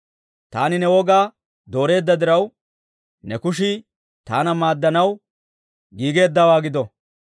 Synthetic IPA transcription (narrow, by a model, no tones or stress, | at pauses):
t̪a̰ːnɪnɛwɔɡaː | d̪o̞ːɾe̞ːd̪ːɐd̪ɪɾɐw | nɛkʊʃ̬ɪ | t̪aːnɐmaːd̪ːɐnɐw | ɡiːɡe̞ːd̪ːɐwaːɡɪd̪ɔ